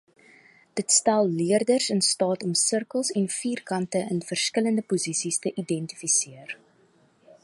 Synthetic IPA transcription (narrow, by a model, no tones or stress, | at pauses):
d̥ətstælˠliərdərsənstɑːtɔmsərkəlˠsɛnfiːrkɐntəʔənfərskələndəpuzisistəʔidɛntifisiər